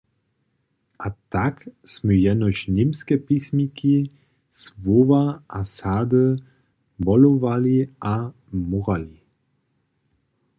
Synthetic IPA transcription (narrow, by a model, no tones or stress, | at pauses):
ʔat̪aksmujɛnɔɕnimskɛpismiki | svovaʔasaːd̪ə | bɔlɔvaliʔa | muʁali